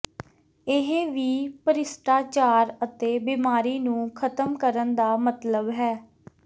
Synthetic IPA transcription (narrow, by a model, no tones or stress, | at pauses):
ɪɦeʋiːpəɾɪsʈaːt͡ʃaːɾət̪eːbiːmaːɾiːnũːkʰət̪əmkəɾənd̪aːmət̪ləbɦɛː